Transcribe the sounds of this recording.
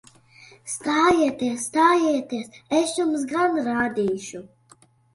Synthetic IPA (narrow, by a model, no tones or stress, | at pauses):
st̪aːjiɛt̪iɛsːt̪aːjiːt̪iɛsɛsjums̬ɡanɾaːd̪iːʃu